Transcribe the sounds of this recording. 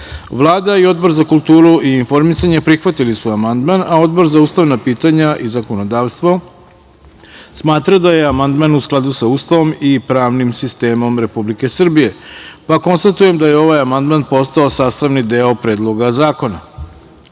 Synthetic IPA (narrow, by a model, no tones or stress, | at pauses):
ʋlˠaːd̪aio̞d̪̚bo̞ɾzakulˠt̪uːɾuʔiːnfo̞ɾmisaɲepɾixʋat̪ilisuamand̪manao̞d̪bo̞ɾzauːst̪aʋnapiːt̪aɲaʔizako̞no̞d̪aːʋst̪ʋo̞ | smaːt̪ɾad̪aje̞amand̪manusklˠad̪usauːst̪aʋo̞mipɾaːʋnimsist̪e̞ːmo̞mɾe̞publike̞sr̩bije̞pako̞nst̪at̪uje̞md̪aje̞o̞ʋajamand̪manpo̞st̪ao̞saːst̪aʋnid̪eopɾe̞ːd̪lˠo̞ɡazaːko̞na